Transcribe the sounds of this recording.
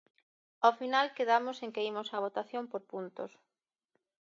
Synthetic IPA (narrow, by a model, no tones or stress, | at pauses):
ofinalkeðamʊseŋkeimosɐβ̞ot̪aθjompoɾpunt̪o̰s